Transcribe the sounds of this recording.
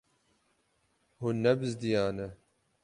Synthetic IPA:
hunnːɛbɨzd̪ijaːnɛ

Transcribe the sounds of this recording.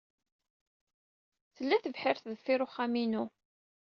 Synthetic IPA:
θəlːæθəvħɪɾθðəfːɪɾʊχːæminu

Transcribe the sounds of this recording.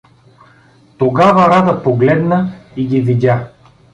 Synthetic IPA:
t̪oɡavɐɾad̪əpoɡlɛd̪nəiɡʲividʲa

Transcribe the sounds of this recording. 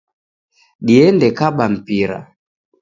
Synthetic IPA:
ɗiɛndɛkaɓam̩piɾa̰

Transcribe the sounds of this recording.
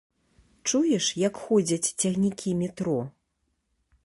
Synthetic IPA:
t͡ʂujɛʂjɐkxɔd͡zʲɐt͡sʲt͡sʲɐɣnʲikʲimʲɛt̪ɾɔ

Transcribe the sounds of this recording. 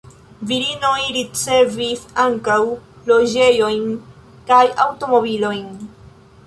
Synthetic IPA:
viɾino̞jɾit͡se̞visaŋkaw | lo̞d͡ʒe̞jo̞jn | kajawto̞mo̞bilo̞jn

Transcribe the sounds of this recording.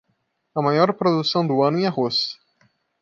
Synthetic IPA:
ɐmajɔɾpɾod̪usɐ̃w̃d̪ʊɐ̃nʊẽahos

